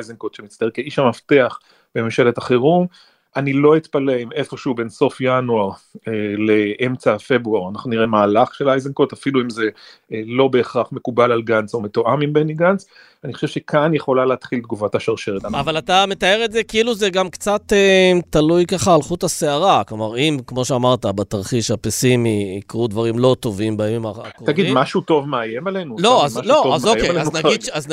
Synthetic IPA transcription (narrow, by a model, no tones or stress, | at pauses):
ajzeŋkot̪ʃemitt͡st̪akeiʃamaft̪e̞aχ | b̥ememʃelet̪aχeʁum | ʔanilo̞it̪paleime̞fo̞ʃeube̞nso̞fjanuaʁele̞ʔemt͡safe̞bʁuaʁanaχnuniʁe̞maːlaχʃelajzeŋkot̪afiluimze̞lo̞be̞ːχʁaχmekubalalɡanso̞me̞t̪oʔamimbeniɡans | aniχoʃevʃekʰanjeχo̞laleːt̪χilt̪̚ɡuvat̪aʃaʁʃeʁet̪aavalat̪ame̞t̪ae̞ʁetze̞kiiluzeɡamkt͡sat̪etalujkaχaːlχutaseaʁaklomaʁimkmo̞ʃeamaʁt̪abet̪aʁχiʃapesimiːkʁud̪vaʁimlo̞t̪o̞vimbamimaːkʁt̪avɡidmaʃut̪o̞vmeajemalenulo̞azalo̞azojkenaɡidʃaz